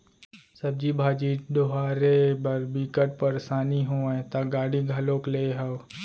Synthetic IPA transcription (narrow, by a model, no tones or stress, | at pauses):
sɐb̚d͡ʒibʱaːd͡ʒiːɖ̪oɦaːɾebɐɾbikəʈ̚pəɾsaːniɦoːɛ̃t̪aɡaːɽiɡʱɐlõːkleɦəw